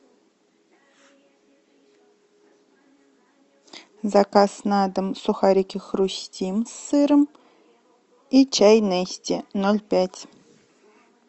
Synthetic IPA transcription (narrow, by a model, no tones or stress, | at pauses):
zakasnad̪əmsuxaɾʲikʲɪxrusʲtʲimsɨɾəm | it͡ɕʰæjnesʲtʲɪnolʲpʲætʲ